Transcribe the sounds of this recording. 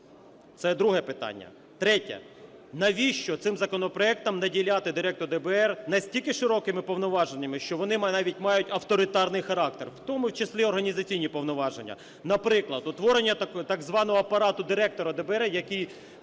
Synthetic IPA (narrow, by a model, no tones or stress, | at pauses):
t̪sɛd̪ɾuɦɛpɪt̪ɑ̰nʲːɐ̰ | t̪ɾɛtʲɛ̰ | nɐʋʲiʃt͡ʃɔt̪sɪmzɐkɔnɔpɾɔɛk̚t̪ɐmnɐdʲilʲɑt̪ɪd̪ɪɾɛk̚t̪ɔrd̪ɛbɛɛrnɐsʲtʲilʲkɪʃɪɾɔkɪmɪpɔʋnʊʋɑʒenʲːɐmɪʃt͡ʃɔʋɔnɪɑʋʲitʲmɑjʊtʲɐwt̪ɔɾʲɪt̪ɑrnɪjxɐɾɑk̚t̪erwt̪ɔmʊwt͡ʃesʲlʲiɔrɦɐnʲizɐt͡sʲijnʲipɔʋnɔʋɑʒenʲːɐ̰ | nɐpɾɪklˠɐd̪ʊt̪ʋɔɾenʲːɐt̪ɑɡzʋɑnɔɦɔɐpɐɾɑt̪ʊd̪ɪɾɛk̚t̪ɔɾɐd̪ɛbɛɾɛjɐkij